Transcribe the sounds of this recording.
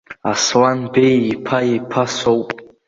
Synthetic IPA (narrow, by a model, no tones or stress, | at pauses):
aswanbejipʰajipʰasowpʼ